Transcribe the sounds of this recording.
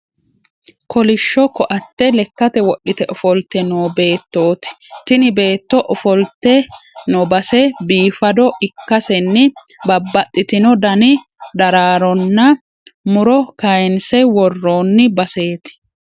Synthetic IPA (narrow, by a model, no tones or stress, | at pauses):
kʰɔlɪʃːɔkɔʔɐt̪ːɛlɛkːɐt̪ɛwɔɗːɪt̪ɛʔɔfɔlt̪ːɛnoːbe̞ːt̪ːo̞ːt̪ɪ̥t̪ɪnɪbe̞ːt̪ːɔʔɔfɔlt̪ːɛnɔbɐsɛbiːfɐd̪ɔɪkːɐsɛnːɪbɐbːɐt̪ʼːɪt̪ɪnɔd̪ɐnɪ | d̪ɐɾaːɾɔnːɐ | mʊɾɔkɐjɛnsɛwɔrːoːnːɪbɐse̞ːt̪ɪ̥